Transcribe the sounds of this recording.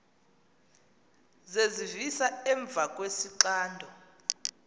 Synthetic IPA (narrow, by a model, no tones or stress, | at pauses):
zezivisaɛɱb̪vʱakʼwesiǀaːndʱɔ